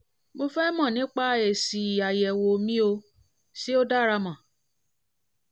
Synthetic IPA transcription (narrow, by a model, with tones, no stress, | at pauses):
bo˧fɛ˦mɔ̃˦˨nĩ˨˦k͡pa˦˧˨ɛ˨si˨i˨a˨jɛ˨wo˧mĩ˦o˧ | si˦o˦da˦ɾa˧mã˨